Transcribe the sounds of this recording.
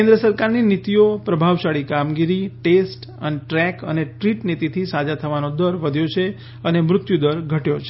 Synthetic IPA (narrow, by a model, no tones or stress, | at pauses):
kẽnd̪ɾəsəɾkaɾninit̪iopɾəbʱaʋʃaɭikamɡiɾiʈesʈ | ə̰neʈɾɛkə̰neʈɾiʈnit̪it̪ʰisad͡ʒat̪ʰəʋanod̪əɾʋəd̪ʱjot͡ʃʰe | ənemɾʊt̪jud̪əɾɡʱəʈjot͡ʃʰe̥